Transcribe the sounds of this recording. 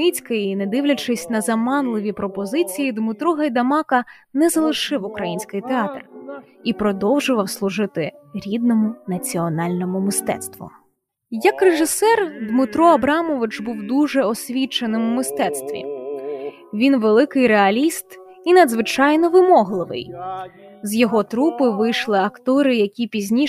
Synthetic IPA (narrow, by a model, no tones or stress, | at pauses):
it͡sʲkɪjinɛd̪ɪʋlʲɐt͡ʃɪsʲnɐzɐmɑnlˠɪʋʲipɾɔpɔzɪt͡sʲijid̪mɪt̪ɾuɦɐjd̪ɐmɑkɐ | nɛzɐlˠɪʃɪwʊkɾɐjinʲsʲkɪjt̪eɑt̪r | ipɾɔd̪ɔwʒʊʋɐwslˠʊʒɪt̪ɪɾʲid̪nɔmʊnɐt͡sʲiɔnɑlʲnɔmʊmɪst̪ɛ̰t̪st̪ʋʊ̰ | jɐkreʒɪsɛrd̪mɪt̪ɾɔɐbɾɑmɔʋɪt͡ʃbuwd̪uʒɛɔsʲʋʲit͡ʃenɪmʊmɪst̪ɛt̪st̪ʋʲḭ | ʋʲinʋelˠɪkɪjɾeɐlʲist̪ | inɐd̪zʋɪt͡ʃɑjnɔʋɪmɔɦlˠɪʋɪ̰j | zjɔɦɔt̪ɾupɪʋɪjʃlˠɪɐkt̪ɔɾɪjɐkʲipʲizʲnʲi